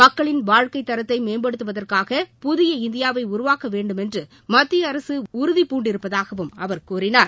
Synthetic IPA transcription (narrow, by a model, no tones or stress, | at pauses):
mɐkːɐɭɪnʋaːɻkɐɪt̪ːɐɾɐt̪ːɐɪmeːmbɐɽɯt̪ːɯʋɐðɐrkaːɣɐpʊðɪjɐɪnd̪ɪjaːʋɐɪʊɾʊʋaːkɐʋeːɳɖɯmɛndrɯ | mɐt̪ːɪjɐːɾɐsɯʊɾɯðipːuːɳɖɪɾɯpːɐðaːɣɐʋɯmɐʋɐɾkuːɾɪnaːɾ